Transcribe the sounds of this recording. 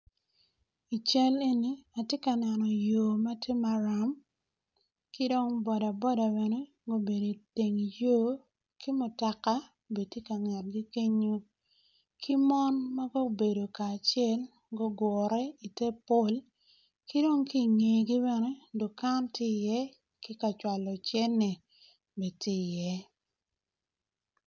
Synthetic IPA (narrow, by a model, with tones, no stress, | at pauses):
i˨t͡ʃɛ˦le˦ni˦a˨tje˦ka˨nɛ˨nɔ˨joː˨ma˦te˦ma˨ɾa˨m | kɪ˦do˦ŋbɔ˨da˨bɔ˦da˨be˨ne˦ | ɡo˦be˨do˨te˨ŋjo˦ | kʰi˦mʊ˨ta˨ka˦˨ | be˨ti˦ka˨ŋa˨t̚ɡi˦ke˦ɲo˦ | kʰi˦mɔ˦nma˦ɡo˦be˨do˨kaː˨t͡ʃjɛ˦l | ɡo˦ɡwɔ˨ɾɛ˦i˨te˦po˦˨l | ki˦do˦ŋki˦˨ŋe˨ɡi˦bɛ˨ne˦do˨ka˦ntɪ˦˨jɛ˦ | kɪ˦ka˨t͡ʃwa˨lɔ˨t͡ʃɛ˦nːe˨ | be˨tɪ˦˨jɛ˦